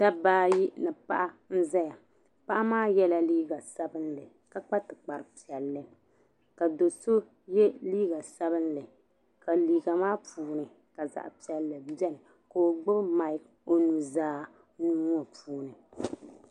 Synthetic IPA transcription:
ta˦baː˦ji˦nɨ˨pa˦˨ʔa˦n̩˦za˦ja˨ | pa˦ʔa˦maː˦jɛ˦la˦liː˦ɡa˨sa˦bɨ˦nlɨ˨ | ka˨k͡pa˦tɨ˨k͡pa˨ɾɨ˨pi˨ɛ˨lːɨ˦ | ka˨do˨so˦ | jɛ˦liː˦ɡa˨sa˦bɨ˦nlɨ˨ | ka˨liː˨ɡa˨maː˦puː˨˦nɨ˨ | ka˨za̰˨ʔpi˨ɛ˨lːɨ˨bɛ˦nɨ˨ | ka˨o˨ɡ͡bɨ˦bma˨ɪ˦k | o˨nu˨zaː˦ | nuː˦ŋ˦ɔ˨pʰuː˦nɨ˨

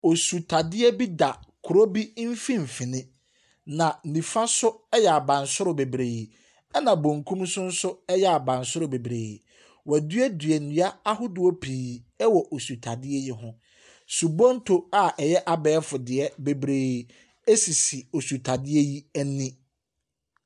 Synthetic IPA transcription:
o˨su˨tʰa˨dɪ˦ɛ˦bi˦da˨kʰʊ˨ɾo˦bi˦m̩˦fĩ˦m̩˨fĩ˨nɪ̃˦ | nã˨nĩ˨fa˦sʊ˦ɛ˦jɛ˨a˨bã˨nsʊ˦ɾʊ˨be˨bɾe˨ji˨ | ɛ˦nã˨bõ˨ŋkʰũ˦msʊ̃˦n̩˦sʊ˦ɛ˦jɛ˦˨a˨bã˨nsʊ˦ɾʊ˨be˨bɾe˨ji˨ | wɛ˨dɥɛ˦dɥɛ˨nũ˨˦a˦a˦hʊ˦dʊ˨o˦pʰiː˨ | ɛ˦wɔ˨ʔo˨su˨tʰa˨dɪ˦ɛ˦jɪ˦ɦʊ̃˦ | su˨bɔ̃˦n̩˦tʰo˦a˦˨ʔɛ˨jɛ˦ʔa˨bɛː˨˦fʊ˨dɪ˨ɛ˦be˨bɾe˨ | e˦si˨si˨o˨su˨tʰa˨dɪ˦ɛ˦ji˦æ˦nːĩ˦

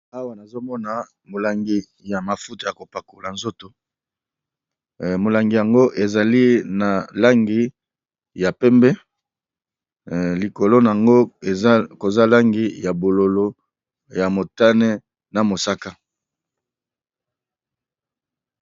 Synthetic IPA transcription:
a˦wa˨na˨zo˦mɔ˦na˨ | mo˨la˨ŋɡi˦ | ja˨ma˨fu˦tu˨ja˨ko˨pa˨ko˨la˨nzo˦to˨ | mo˨la˨ŋɡi˨ja˨ŋɡo˦ʔe˨za˨li˦na˨la˦ŋɡi˦ | ja˨pɛ˦mbɛ˦ | li˨ko˨lo˦na˨a˨ŋɡo˦e˨˦ko˨za˦la˦ŋɡi˦ja˨bo˨lo˨lo˦ | ja˨mo˨ta˦ne˦ | na˨mo˨sa˦ka˦

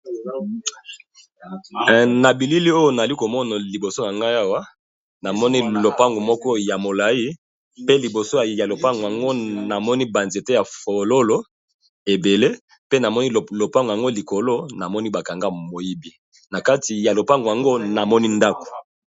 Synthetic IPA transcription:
na˨bi˨li˦li˦o˦jo˦na˨a˨li˦ko˨mɔ˦na˨li˨bo˨so˦na˨ŋɡa˦ja˦wa˦ | na˨mɔ˦ni˦lo˨pa˦ŋɡo˨mɔ˦kɔ˦ja˨mo˨la˨i˦ | pe˦li˨bo˨so˦ja˨lo˨pa˦ŋɡo˨ja˨ŋɡo˦na˨mɔ˦ni˦ba˨nze˨te˦ja˨fo˨lo˦lo˦ | e˨be˨le˦ | pe˦na˨mɔ˦ni˦˨lo˨pa˦ŋɡja˨ŋɡo˦li˨ko˨lo˦na˨mɔ˦ni˦ba˨ka˨ŋɡa˦mo˨ji˦bi˦ | na˨ka˦ti˨ja˨lo˨pa˦ŋɡo˨ja˨ŋɡo˦na˨mɔ˦ni˦nda˦ko̥˨

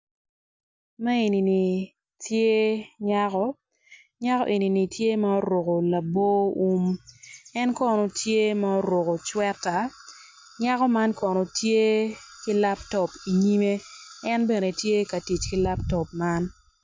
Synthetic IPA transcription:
ma˦e˨ni˨ni˨ | tje˦ɲa˦kɔ˦ | ɲa˦kɔ̰˦ʔe˨ni˨ni˨tʰje˦mɐ˦ɔ˦ɾo˨ko˨la˨bo˦u˦m | ɛ˦nkɔ˦no˨tʰje˦ma˦ɔ˦ɾo˨ko˨t͡ʃwɛ˦tːa˨ | ɲa˦kɔ˦ma˦nkɔ˨nɔ˨tje˦ki˦la˦ptɔ˨pi˨ɲi˦me˦ɛ˦nbe˨ne˨tje˦ka˨ti˨t͡ʃki˦la˦ptɔ˨p̚ma˦n

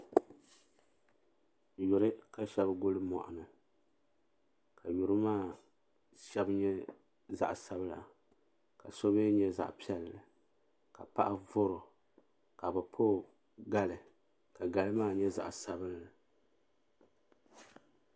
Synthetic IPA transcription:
jʊ˨ɾɨ˦ka˦ʃɛ˦bɡʊ˦lɨ˦mɔ̰˨ʔa˨nɨ˨ | kʰa˨jʊ˨ɾɨ˦maː˦˨ | ʃɛ˦bɲɛ˦ | za̰˨ʔsa˦bla̰˨ | ka˨so˦be˦ɲɛ˦za̰˨ʔpi˦ɛ˦lɨ˨ | ka̰˨pa˦ʔa˦vʊ˦ɾʊ˨ | ka˨bɨ˨pʰoː˦ | ɡa˦lɨ˨ | ka˨ɡa˨lɨ˦maː˦˨ɲɛ˦za̰˨ʔsa˦bɨ˦n˦lɨ˨

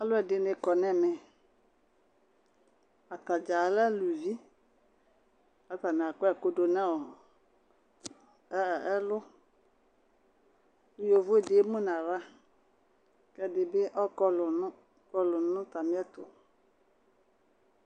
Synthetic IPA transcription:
a˦lʊ˦ɛ˨dɪ˨nɪ̃˨kɔ˨nɛ̃˦mɛ̃˨ | a˨t̪a˨d͡ʒa˨lɛ˦lu˨vi˦ | a˨t̪a˨n˨a˨kʊ˦ɛ˨ko˦do˨nɛ̃˦ɔ˨˦ | ɛ˦lʊ˦ | ʊ˦jo˨vo˦˨dɪ˨˦mũ˦nã˨ɾa˦ | kɛ˦dɪ˨bɪ˦ʔɔ˦kɔ˦lʊ˨ʊ˦ | kɔ˦lʊ˨nʊ̃˦t̪a˨mĩ˦ɛ˦t̪ʊ˨

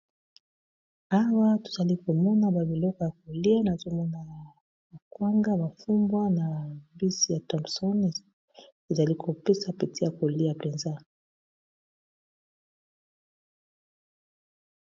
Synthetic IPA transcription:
a˦wa˦to̥˨za˨li˦ko˨mɔ˦na˦ba˨bi˨lɔ˦kɔ˨ja˨ko˨li˦a˦na˨zo˦mɔ˦na˨ | ba˨kwa˦ŋɡa˦ba˨fu˦mbwa˦na˨bi˦si˦ja˨tɔ̃˨msɔ˦n˨ | e˨za˨li˦kʰo˨pe˦sa˦pe˨ti˦ja˨ko˨li˦a˨pe˨nza˦

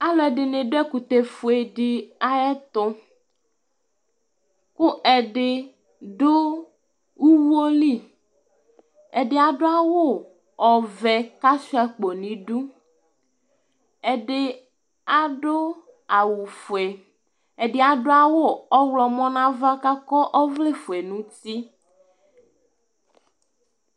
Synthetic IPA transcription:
a˦lɔ˨ɛ˨ɖɪ˨ne˨ɖo˦ɛ˦ku˨t̪e˨fo˨e˨ɖi˦a˦ɛ˦t̪ɔ˦ | ku˦ʔɛ˨ɖɪ˨ | ɖo˦ | wu˦wo˦li˦˨ | ɛ˨ɖɪ˦a˨ɖo˦a˦wo˦ | ɔ˨vɛ˨ka˦si˦a˨k͡po˨nĩ˨ɖu˦ | e˨ɖe˦ | a˦ɖo˦ | a˨wu˨fe˨ | e˨ɖe˨a˨ɖo˦a˦wo˦˨ɔ˦wlɔ˨mɔ̃˦nã˦va˦ka˦kɔ˦ʔɔ˦vle˦fo˨ɛ˨nũ˦t̪i˦

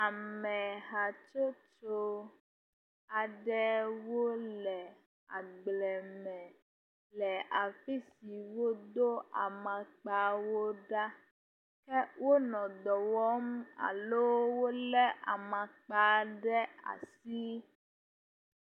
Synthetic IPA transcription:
a˨mɛ̃˨ɦa˨t͡ʃo˦t͡ʃo˦ | a˨ɖɛ˦wo˦lɛ˨ | a˨ɡ͡blɛ˨mɛ̃˨ | lɛ˨a˨fi˦si˨wo˦d̪o˦a˨mã˨k͡pa˨wo˦ɖa˦ | kɛ˦wo˦nɔ̃˨d̪ɔ˨wɔ˦ma̰˨lo˦wo˦lɛ˦ʔa̰˨mã˨k͡pa˦ɖɛ˦a̰˨si˦

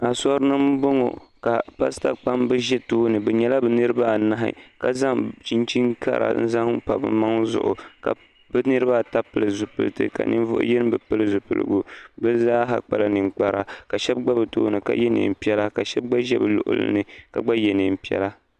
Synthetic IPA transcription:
a˨sɔ˦ɾɨ˦nɨ˦m˦bo˦ŋo̰˨ka˨pa˦sta˦k͡pa˦mbɨ˦ʒɛ˦toː˦nɨ˨bɛ˨ɲɛ˦la˦bɨ˨nɨ˦ɾɨ˦ba˦˨na˦ɦɪ̰˦ka˨za˦ŋt͡ʃi˦nt͡ʃi˦ŋka̰˦ɾʔa̰˨n̩˦za˦ŋpa˨bɨ̰˦ma˦ŋzʊ̰˨ʔʊ̰˨ka̰˨ | bɨ˦nɨ˦ɾɨ˦ba˦ta˦pɨ˨lɨ˨zu˨pɨ̰˨ltɨ̰˦ka̰˨nɨ̰˦n˦vʊ̰˦ʔjɛ˦n˦bɨ˨pɨ˦lɨ˦zu˨pɨ˨lɨ̰˨ɡu˦bɛ˦zaː˦ɦa˨k͡pa̰˦la˦nɨ˨ŋ͡mk͡pa˨ɾa˦ka˨ʃɛ˦b̚ɡ͡ba˦bɨ˨toː˦nɨ˨ka̰˦jɛ˦nɨ̰˨m̩˨pi˦ɛ˦la˦ka˨ʃɛ˦b̚ɡ͡ba˦ʒɛ˦bɨ˨lʊ̰˨ʔʊ̰˨˦lɨ̰˦nɨ˨ka˨ɡ͡ba˦jɛ˨nɨ˨m̩˨pi˦ɛ̰˦la˦

